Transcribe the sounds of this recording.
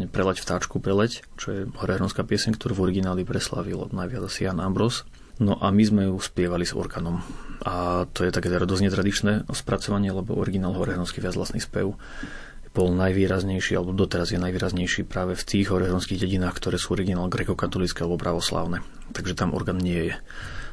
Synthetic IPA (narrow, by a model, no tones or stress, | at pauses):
ɲɛpɾɛlɛcft̪aːt͡ʃkupɾɛlɛct͡ʃɔjɛɦɔɾɛɦɾɔnskaːpɪɛsɛɲkt̪ɔɾuːvɔɾiɡinaːlipɾɛsla̰ʋilnajʋɪad͡zasijanambɾɔs | nɔʔamizmɛjuspɪɛʋalizɔ̰ɾɡaːnɔmʔat̪ɔjɛt̪akɛːt̪ɛɾɔd̪ɔzɲɛt̪ɾad̪it͡ʃnɛspɾat͡sɔʋaɲɪɛlɛbɔ̰ʔɔɾiɡinaːlɦɔɾɛɦɾɔnskiʋɪad͡zʋla̰snispɛ̰ʊ | b̥ɔlnajʋiːɾazɲɛjʃiːalɛbɔd̪ɔt̪ɛɾazjɛnajʋiːɾazɲɛjʃiːpɾaːʋɛft̪iːɣɦɔɾɛɦɾɔnskiːɣɟɛɟinaːxkt̪ɔɾɛːsuɔɾiɡinaːlɡɾɛkɔkat̪ɔlit͡skɛalɛbɔpɾaʋɔsla̰ːʊnɛ | t̪aɡʒɛt̪amʔɔ̰ɾɡaːnɲɪɛjɛ